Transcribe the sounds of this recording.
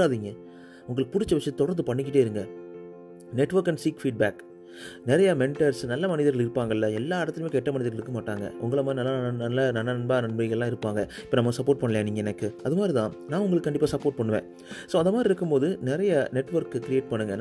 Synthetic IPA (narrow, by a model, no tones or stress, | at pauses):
aːðiːŋɡɐ | ʊŋɡɐɭɯk̚ːpʊɽɪt͡ʃːɐʋɛt͡ʃːɯt̪ɔɽɐɾnd̪ɯpɐɳːɪkːɪʈːeːɪɾɯŋɡɐ | nɛʈːʋɐɾkɐɳɖsiːkfiːɖ̚baːk | nɪɾɐjamɛɳʈɐɾsnɐlːɐmɐnɪðɐɾɣɐɭɪɾɯpːaːŋɡɐɪlːɐɛlːaːɪɽɐt̪ːɪlmẽːkɛʈːɐmɐnɪðɐɾɣɐɪɭɾɯkːɐmaːʈːaːŋɡɐ̰ʔʊ̰ŋɡɐɭɐmaːdɾinɐlːaɐnɐlːɐnɐlːɐnɐnbaːnɐɳbɐɪɣɐɭlːãːɪɾɯpːaːŋɡɐɪpːoːnɐmːɐsɐpːoːʈ̚pɐɳːɐlɐjẽːniːŋɡɐɛnɐkːɯɐðɯmaːd̪ɾit̪ãːnãːʊŋɡɐɭkɯːkɐɳɖɪpːaːsɐpːoːɾʈ̚pɐɳːɯʋḛ̃ː | soːɐnd̪ɐmaːd̪ɾɪɾɯkːɯmpoːðɯnɪɾɐjɐnɛʈːʋɐɾkkɪɾɪjeːʈ̚pɐɳːɯŋɡɐn